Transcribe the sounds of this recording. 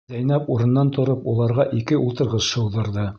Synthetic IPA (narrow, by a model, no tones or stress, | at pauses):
zæjnæpuɾɤ̆nːɑnt̪ŏɾɤpulˠɑɾʁɑʔikɘʔulˠt̪ɤ̆ɾʁɤzʃɤ̆wðɤ̆ɾðɤ